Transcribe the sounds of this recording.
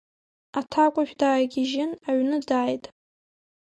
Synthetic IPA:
atʰakʷʼʊʃᶣdaːjɡʲiʒɪnaɥnɨdaːjtʼ

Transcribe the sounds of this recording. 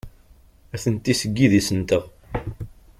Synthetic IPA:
æθənt̪ːisəɡːiðisənt̪əʁ

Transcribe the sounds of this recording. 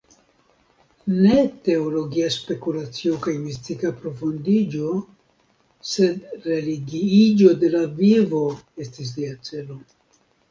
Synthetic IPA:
ne̞te̞olo̞ɡiaspe̞kulat͡siokajmistikapɾo̞fondid͡ʒo̞ | se̞dɾe̞liɡiid͡ʒo̞de̞lavivo̞e̞stis̬liat͡se̞lo̞

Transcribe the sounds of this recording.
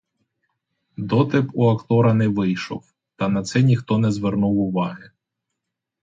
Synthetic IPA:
d̪ɔt̪ɪpuɐkt̪ɔɾɐnɛʋɪjʃɔ̰w | t̪ɐnɐt̪sɛnʲixt̪ɔnɛzʋernuwʊʋɑɦɪ

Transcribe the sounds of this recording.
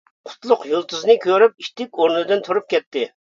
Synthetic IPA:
qʰʊ̥t̪lˠʊqjulˠt̪ʰuznɨkʲʰøɾyp̚iʃt̪ɪkʲoɾnɨd̪ɨnt̪ʰuɾup̚kʲɛt̪ːɪ

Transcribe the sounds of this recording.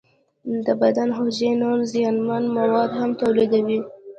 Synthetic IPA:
d̪əbad̪anxoʒenoɾzijɑnmanmawɑd̪hamt̪awlid̪awi

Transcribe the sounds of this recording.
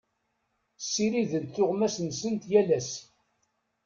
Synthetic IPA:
sːiɾiðənθʊʁmæsənsənt̪jælæs

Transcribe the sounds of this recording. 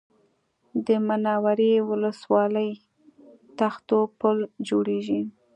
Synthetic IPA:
d̪əmanɑwaɾewʊləswɑləj | t̪axt̪opəld͡ʒoɽeʒi

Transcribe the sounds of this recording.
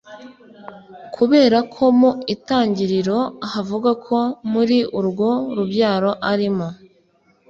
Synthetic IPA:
kʰuβe̞ːɾakʰo̞muitaːɲɟiɾiɾo̞ahavuɡakʰo̞muɾiʔuɾɡoɾubɟaːɾo̞ʔaɾimo

